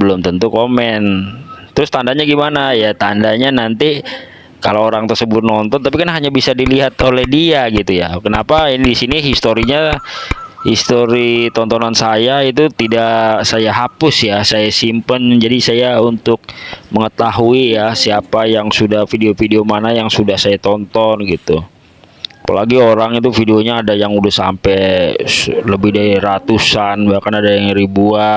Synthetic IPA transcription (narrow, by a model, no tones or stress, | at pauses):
bəlʊmt̪ənt̪ukomɛnt̪əɾʊst̪andaɲaɡimanajat̪andaɲanant̪i | kaloːɾaŋt̪ərsəbʊt̪̚nɔnt̪ɔnt̪apikanɦaɲabisadiliɦat̪olɛhdiaɡit̪ujakənapaidisiniɦist̪oɾiɲa | hist̪oɾit̪ɔnt̪ɔnansajait̪̬ut̪idasajaɦapʊsjasajasimpənd͡ʒadisajaunt̪ʊk̚məŋət̪aɦuijasiapajaŋsudahfideofideomanajaŋsudahsajat̪ɔnt̪ɔnɡit̪u | apalaɡioɾaŋit̪ufideoɲaːdajaŋudahsa̰mpɛ | ləbɪhdaɾiɾat̪usanbahkanadajaŋɾibua